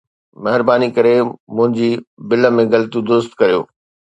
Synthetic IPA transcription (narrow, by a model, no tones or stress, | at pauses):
mɐɦɪɾbaːnikɐɾemʊ̃ɦɪ̃ɲd͡ʑiːbɪlə̆mẽɡɐlt̪ud̪ʊst̪kɐɾijo̰ː